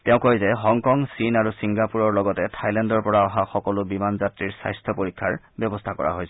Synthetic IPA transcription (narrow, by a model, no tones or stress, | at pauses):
tɛʊ̃kojzɛɦɔŋkɔŋsinaɹusiŋɡapuɹɔɹlɔɡɔtɛtʰajlɛndɔɹpɔɹaɔɦaxɔkɔlʊbimanzatɹiɹsa̰jstʰɔpoɹikʰːaɹ | bjɔbɔstʰakɔ̰ɹa̰ɦojsɛ